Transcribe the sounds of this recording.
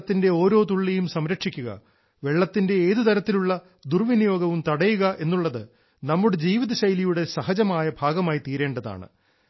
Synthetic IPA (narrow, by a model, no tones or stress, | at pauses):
t̪ːinde̞o̞ːɾo̞ːt̪uɭːejumsɐmɾɐkʂikʲːuɣɐ̰ | ʋe̞ɭːɐt̪ːinde̞eːðut̪ɐɾɐt̪ːiluɭːɐ | d̪urʋinijo̞ːɡɐʋumt̪ɐɽɐjuɣɐʔe̞nːuɭːɐðɨ | nɐmːuɽed͡ʑiːʋiðɐɕɐjlijuɽe̞sɐɦɐd͡ʑɐmaːjɐbʱaːɡɐmaːjit̪iːɾe̞ːɳɖɐða̰ːɳɨ̰